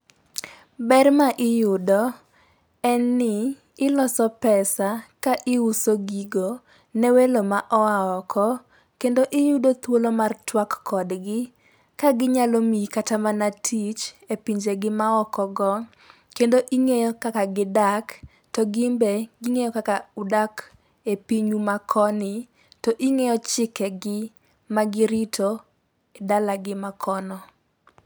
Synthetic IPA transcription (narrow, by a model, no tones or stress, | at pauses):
bɛrmaʔɪjʊdɔ | ɛnːɪ | ɪlɔsɔpɛsakaʔɪusoɡiɡo | nɛwelomaʔɔaɔkʰɔ | kendoʔɪjʊdot̪wolomartwakːɔdɡɪ | kaɡɪɲalomikatamanatʰit͡ʃepiɲd͡ʒeɡɪmaɔkɔɡɔ | kendoʔiŋejɔkakaɡɪdak | tɔɡɪmbeɡiŋejɔkakaʊdak | epiɲumakʰɔnɪ | tɔʔiŋejɔt͡ʃɪkɛɡɪ | maɡɪɾitʰo | edalaɡɪmakʰɔnɔ